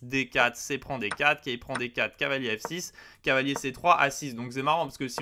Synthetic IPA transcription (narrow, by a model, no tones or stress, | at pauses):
d̪ekʲat̪χsepχɑ̃d̪ekʲat̪χkʲaipχɑ̃d̪ekʲat̪χkʲavaljeɛfsiskʲavaljeset̪χwaʔasisd̪ɔ̃ks̬ɛmaʁɑ̃pḁʁsəkəsi